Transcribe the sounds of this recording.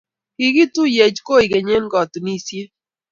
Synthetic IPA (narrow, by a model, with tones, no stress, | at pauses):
kɪ˦ki˦tu˦je˨d͡ʒko˦i˨ɡe˨ɲe˦n˦ɡɔ˨tu˨ni˦˨sje˦